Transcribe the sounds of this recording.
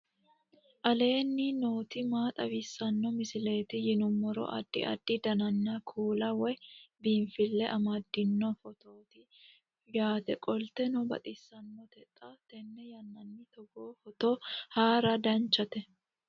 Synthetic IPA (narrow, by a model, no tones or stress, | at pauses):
ʔɐle̞ːnːɪno̞ːt̪ɪmaːt̪ʼɐwɪsːɐnːɔmɪsɪle̞ːt̪ɪjɪnʊmːɔɾɔ̰ʔɐ̰d̪̥ːɪ̰ʔɐ̰d̪̥ːɪd̪ɐnɐnːɐkʰuːlɐwɛbinfɪlːɛʔɐmɐd̪ːɪnːɔfɔt̪oːt̪ɪ | jaːt̪ɛkʼɔlt̪ɛnɔbɐ̰t̪ʼɪsːɐnːɔt̪ɛt̪ʼːɐt̪ɛnːɛjɐnːɐnːɪt̪ɔɡoːfɔt̪oːhaːɾɐd̪ɐnt͡ʃːɐt̪ɛ